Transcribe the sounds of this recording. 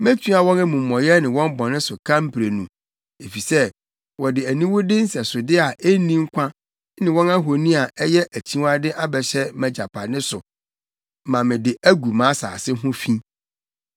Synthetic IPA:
mæ̃˦tʰu˦a˨wɔ̃˦nɛ˦mũ˨mː˨ɔ̃˨jɛ˦nɪ̃˨wɔ̃˦m˦bɔ̃˨nɪ̃˦sʊ˨kʰã˦m˦pʰɾe˨nũ˨ | e˨fi˨sɛ˦ | wɔ˨dɪ˨æ˨nĩ˦wʊ˦dɪ˦n̩˦sɛ˨sʊ˨dɪ˦a˨ʔe˦nĩ˦ŋ̩˦kʷʰã˦ | nɪ̃˨wɔ̃˦na˦ɦo˨nĩ˦a˨ʔɛ˦jɛ˦ʔæ˨t͡ɕʰĩ˦wa˦dɪ˦ʔa˦bɛ˨ɕɛ˦mæ̃˨d͡ʑa˨pʰa˨nɪ̃˦sʊ˨ | mã˨mɪ̃˨dɪ˨æ˦ɡu˨mãː˨˦sa̰ː˨sɪ˦ɦʊ̃˦fĩ˦

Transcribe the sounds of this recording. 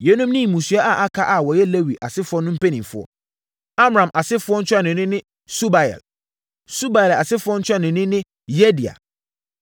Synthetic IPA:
jɛ˨˦nũ˦mnɪ̃˦˨mũ˨sɥɛ˦ʔa˨ʔa˦kʰa˦ʔa˨wɔ˨jɛ˦le˦wi˨ʔa˨sɪ˦fʊ˦ɔ˦nʊ̃˦m̩˦pʰe˦nĩ˨mfʊ˦ɔ̰˦ | a˦m˨ɾã˨mʔa˨sɪ˦fʊ˦ɔ˦n̩˦t͡ɕʰᶣa˦nʊ̃˨˦nɪ̃˦nɪ̃˦ | su˦ba˨jɛ̰˨l | su˦ba˨jɛ˨la˨sɪ˦fʊ˦ɔ˦n̩˦t͡ɕʰᶣa˦˨nʊ̃˨nɪ̃˦nɪ̃˦ | je˦di˨a̰˨

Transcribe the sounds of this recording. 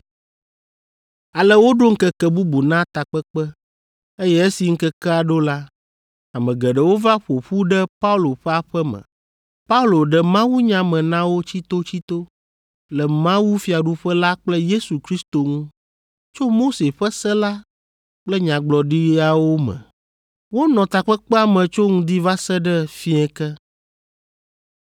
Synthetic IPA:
a˨lɛ˦wo˦ɖo˦ŋ̩˦kɛ˨kɛ˦bu˦bu˨nã˦t̪a˨k͡pɛ˦k͡pɛ˦ | e˦jɛ˦e˦si˨ŋ̩˦kɛ˦kɛ˦a˨ɖo˦la˦ | a˨mɛ̃˨ɡɛ˨ɖɛ˨wo˦va˦ɸo˨ɸu˦ɖɛ˦pa˦u˦lo˨ɸɛ˦a˦˨ɸɛ˦mɛ̰̃˨ | pa˦u˦lo˨ɖɛ˨mã˦wu˦ɲã˨mɛ̃˨nã˦wo˦t͡ɕi˦t̪o˦t͡ɕi˦t̪o˦ | lɛ˨mã˦wu˦fi˨˦a˨ɖu˦ɸɛ˦la˦k͡plɛ˦je˦su˨kɾi˦st̪o˨ŋũ˦ | t͡ʃo˦mo˦se˨ɸɛ˦sɛ˦la˦ | k͡plɛ˦ɲã˨ɡ͡blɔ˨ɖi˦a˨wo˦mɛ̰̃˨ | wo˦nɔ̃˨t̪a˨k͡pɛ˦k͡pɛ˦a˨mɛ̃˨t͡ʃo˦ŋũ˦d̪i˦va˦sɛ˦ɖɛ˦fi˦ɛ˨kɛ˦

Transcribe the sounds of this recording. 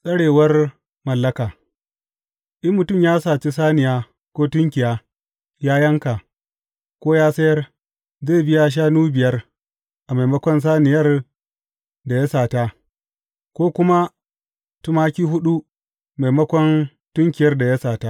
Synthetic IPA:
sʼɐ˦ɽeː˨wɐ˦r | mɐ˨lːɐ˦kaː˨ | ʔɪ˦mːʊ˨tʊ˦˨mjaː˦saː˨t͡ʃi˦saː˦nɪ˨jaː˦ | kʷoː˦tʊ˦ŋkʲɪ˨jaː˦ | jaː˦jɐ˦ŋka˨ | kʷoː˦jaː˦sɐ˦jɐ˦r | zeː˦˨bɪ˦jaː˦ʃ̬aː˦nuː˦bɪ˨jɐ˦r | ʔa˨ma˨jmɐ˦kʷɔ˦ns̬aː˦nɪ˨jɐ˦r | da˨ja˦saː˨ta˦ | kʷoː˦kʷʊ˦ma˦ | tu˦maː˦kʲiː˦ɦʊ˦ɗu˦ | ma˨jmɐ˦kʷɔ˦n | tʊ˦ŋkʲɪ˨jɐ˦rda˨ja˦saː˨ta˦

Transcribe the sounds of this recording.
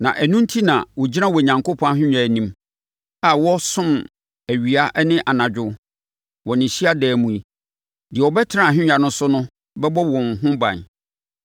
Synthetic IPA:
nã̰˨ʔæ˨nũ˦n˦tʰi˦nã̰˨wɔ˨d͡ʑi˦nã˦wɔ˨ɲã˨ŋko˦pʰɔ̃˦a˦ɦᶣɪ̃˦ɲᶣ˦a˨nĩ˦m | a˨wɔ˦sʊ̃˦m | æ˨ɥi˨a˦ʔnɪ̃˦ʔa˨nã˨d͡ʑᶣʊ˦ | wɔ˨nɪ̃˨ɕi˦a˦dɛː˨mũ˨i˨ | dɪ˨ɛ˨ɔ˨bɛ˦tʰɪ˦ã˦˨ɦᶣɪ̃˦ɲᶣa˨nʊ̃˦sʊ˦nʊ̃˦ | bɛ˦bɔ˦wɔ̃˨ŋ˨ɦʊ̃˦bã̰˨n

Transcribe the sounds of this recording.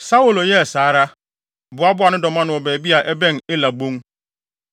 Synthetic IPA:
sa˦wʊ˨lo˨jɛ˦˨saː˨˦ɾa˦ | bʊ˨a˦bʊ˦a˨nʊ̃˦dɔ˨mã˦nʊ̃˨ɔ˨bɛː˨bi˦a˨ʔɛ˦bɛ̃˦n˨e˦la˨bõ˦ŋ

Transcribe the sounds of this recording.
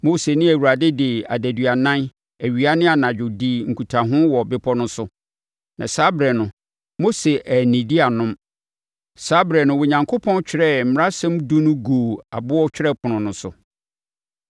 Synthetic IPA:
mo˦se˨nɪ̃˦æ˨wu˨ɾa˨dɪ˦dɪ˨a̰˨dæ˨dɥa˨nã˦n | æ˨ɥi˨a˦nɪ̃˦a˨nã˨d͡ʑᶣʊ˨di˦˨ŋ̩˨kʰu˨tʰã˨ɦʊ̃˦wɔ˨bɪ˦pʰɔ˦nʊ̃˦sʊ˨ | nã̰˨sa˦bɾɛ˨nʊ̃˨ | mo˦se˨ʔæ˨nĩ˨di˦a˨nʊ̃˦m | sa˦bɾɛ˨nʊ̃˨wo˨ɲã˨ŋkʰo˦pʰɔ̃˦nt͡ɕᶣʰɪ˦ɾɛ˦m̩˨m˦ɾa˦sɛ̃˦mdũ˦nʊ̃˦ɡoː˨a̰˨bʊ˦ɔ˦t͡ɕᶣɪ˦ɾɛ˦pʰʊ˨nʊ̃˨nʊ̃˨sʊ˨

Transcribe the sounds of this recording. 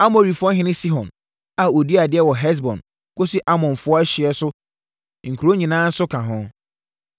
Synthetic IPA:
a˦mo˨ɾi˨fɔ̃˦ɦɪ̃˦nɪ̃˦si˦ɦɔ̃˨n | a˨o˨di˦a˨dɪ˦ɛ˦wɔ˨ɦɛ˦s̬bɔ̰̃˨n | ko˦si˦ʔa˦mɔ̃˨nfʊ˦ɔ˦ɛ˦ɕɪ˨ɛ˨sʊ˦ | ŋ̩˨kʰu˨ɾo˦ɲĩ˨nãː˦n̩˦sʊ˦kʰã˨ɦɔ̃˦

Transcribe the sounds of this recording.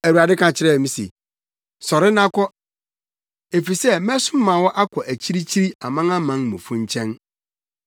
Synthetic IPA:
æ˨wu˨a˨dɪ˦kʰã˨t͡ɕʰɪ˦ɾɛ˦˨mĩ˨sḭ˨ | sɔ˨ɾɪ˦nã˦kʰɔ˦ | e˨fi˨sɛ˦mɛ̃˦sʊ˦mã˨wɔ˦ʔa˦kʰɔ˨ʔæ˨t͡ɕʰi˦ɾi˦t͡ɕʰi˦ɾi˦a˨mã˦ŋã˦mã˦nmʊ̰̃˨fũ˦ɲ˦t͡ɕʰɛ̃˦n

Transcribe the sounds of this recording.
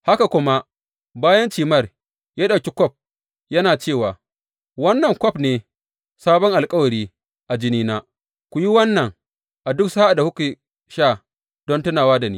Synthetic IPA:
ha˦ka˨kʷʊ˦ma˦ | baː˦jɐ˦nt͡ʃiː˨mɐ˦˨r | jaː˦ɗa˨kʲi˦kʷɔ˦˨p̚ | jɐ˦naː˨t͡ʃeː˦˨waː˨ | wɐ˦nːɐ˨ŋkʷɔ˦pneː˨ | saː˦bɔ˦ŋʔa˨lkʼɐ˦wɐ˨ɾiː˦ | ʔa˨d͡ʒɪ˦niː˦naː˦ | kʷu˨ji˦wɐ˦nːɐ˨ŋ | ʔa˨dʊ˦ksa˦ʔa˨da˨hʊ˦ki˨ | ʃaː˦˨ | d̥ɔ˦ntʊ˦naː˨waː˦da˨niː˦

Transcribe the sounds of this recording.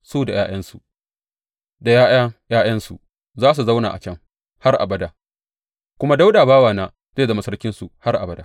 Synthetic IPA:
suː˦da˨jaː˦j̰ɐ˦nsu˨ | da˨ja˦ja˦jaː˦j̰ɐ˦nsu˨ | zaː˦s̬u˨za˦wna̰ː˨ʔa̰˨t͡ʃɐ˦ŋ | ha˦rʔa̰˨bɐ˦da˨ | kʷʊ˦ma˦da˦wdaː˨baː˦waː˨naː˦ | zeː˦˨da˨ma˨˦sɐ˦rkʲɪ˦nsu˨ha˦rʔa̰˨bɐ˦daː˨

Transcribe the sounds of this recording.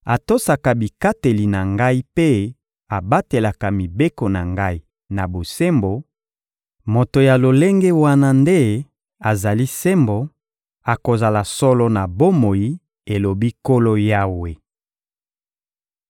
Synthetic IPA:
a˨to˦sa˨ka˨bi˨ka˦te˨li˨na˨ŋɡa˦i˦pe˦ | a˨ba˦te˨la˨ka˨mi˨be˦ko˨na˨ŋɡa˦i˦ | na˨bo˨se˦mbo˨ | mo˨to˨ja˨lo˨le˦ŋɡe˦wa˦na˦nde˦ | a˨za˨li˦se˦mbo˨ | a˨ko˨za˨la˨sɔ˦lɔ˦na˨bo˦mo˨ji˦ | e˨lo˨bi˦ko˦lo˦ja˦we˨

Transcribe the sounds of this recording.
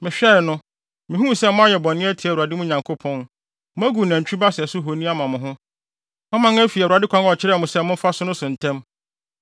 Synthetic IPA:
mɪ̃˨ɕᶣɛ˦˨nʊ̃˦ | mɪ̃˨ɦũ˦˨sɛ˦mʊ̃˦a˦jɛ˨bɔ̃˨nːɪ̃˦æ˦tʰɪ˨ɛ˦˨a˨dɪ˦mʊ̃˦˨ɲã˨ŋkʰo˦pʰɔ̃˦n | mʊ̃˦æ˦ɡu˨næ̃˨ɲ˨t͡ɕᶣi˦ba˦sɪ˨ɛ˨sʊ˦ɦo˨nĩ˦a˦mã˨mʊ̃˨ɦʊ̃˦ | ɔ̃˦mã˦ŋæ˦fi˨a˨dɪ˦kʷʰã˦ŋ˦ɔ˨t͡ɕʰɪ˦ɾmʊ̃˨sɛ˦mʊ̃˦fa˦sʊ˦nʊ̃˦sʊ̃˨n̩˨tʰæ̃˦m

